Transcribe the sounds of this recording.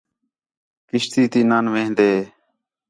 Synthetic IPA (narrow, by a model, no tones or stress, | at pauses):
kɪʃt̪iːt̪iːnaːnʋẽːɦnd̪eː